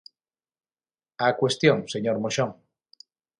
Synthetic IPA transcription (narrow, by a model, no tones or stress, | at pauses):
akwest̪joŋseɲoɾmoʃoŋ